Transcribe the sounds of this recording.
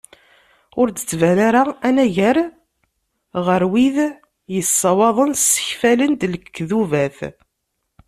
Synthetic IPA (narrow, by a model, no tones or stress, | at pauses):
ʊɾt͡sːə̥t͡sːvælaɾaænæʝəɾ | ʁəɾwið | jəsːɑwɑðˤənsːə̥çfælənd̪ləkkːðuvæθ